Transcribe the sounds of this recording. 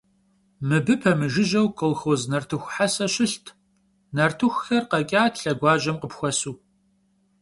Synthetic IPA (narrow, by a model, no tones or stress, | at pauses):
mɨbɨpʰɐmɨʒɪʑɐwkʰʼəlxoznɐrtʰɨxʷħasɐɕɪɬtʰ | nɐrtʰɨxʷxɐrqɐkʲʼaːtʰɬɐɡʷɑːʑɐmqəpxʷɔsuː